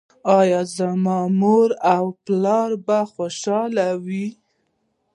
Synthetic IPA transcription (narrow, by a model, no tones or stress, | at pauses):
ɑjɑzamɑmoɾawplɑɾbaxoʃɑlawi